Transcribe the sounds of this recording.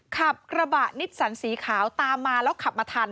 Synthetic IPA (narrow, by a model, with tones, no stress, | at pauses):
kʰa˨˩p̚kɾa˧ba˨˩ʔni˦˥t̪̚sa˩˦nsiː˩˦kʰaː˩˦wt̪aː˧mːaː˧lɛː˦˥wkʰa˨˩p̚maː˧t̪ʰaː˧n